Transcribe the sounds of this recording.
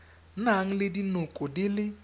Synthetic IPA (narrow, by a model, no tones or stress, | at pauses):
n̩aŋ̩lɪdinokʼodɪlɪ